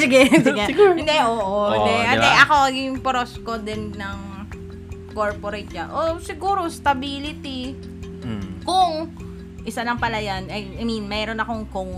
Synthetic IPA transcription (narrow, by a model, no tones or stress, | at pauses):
sɪɡɛsɪɡɛɡɪnd̪ɛʔoːʔoɪnd̪ɛʔɐt̪ɛʔɐkoɐjɪŋpɾoskod̪ɛnːɐŋ | koɹpoɾɐjt̪̚janʔosɪɡuːɾost̪ɐbiːlɪt̪i | kʊŋ | ʔɪsalɐŋpɐlɐjanʔɐjɐjminmɛɾo̞nɐko̞ŋkʊŋ